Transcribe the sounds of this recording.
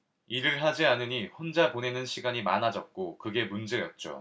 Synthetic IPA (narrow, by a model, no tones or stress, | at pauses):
iɾɯɭɦad͡ʑianɯɲiɸond͡ʑapone̞nɯnɕʰiɡaɲima̰nad͡ʑʌt̚k͈okɯɡe̞mund͡ʑe̞jʌt̚t͡ɕ͈o̰